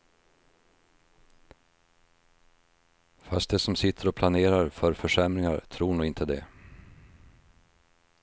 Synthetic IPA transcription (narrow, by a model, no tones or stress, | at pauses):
fast̪̚d̪ɛsɔmsɪt̪ʰːəɾɔpʰlaneːɾaɾfœɾfœʂɛmɾɪŋa̰ɾt̪ʰɾuːɳuːɪnt̪ʰəd̪ɛ̰